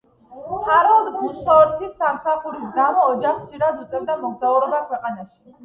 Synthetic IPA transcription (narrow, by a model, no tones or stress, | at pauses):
pʰʼaɾɔlˠd̪busɔɾt̪ʰisːamsaχuɾisɡamɔːd͡ʒaχt̪sʰiɾad̪ut̪sʼɛvd̪amɔɡzauɾɛbakʰwɛqʼanaʃi̥